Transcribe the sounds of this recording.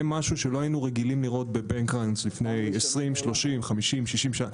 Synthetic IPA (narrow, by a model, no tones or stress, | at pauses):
maʃuʃelo̞ajinuʁeɡilimliʁo̞t̪̚be̞beŋkʁanslifne̞jesʁimʃlo̞ʃimχamiʃimʃiʃimʃaa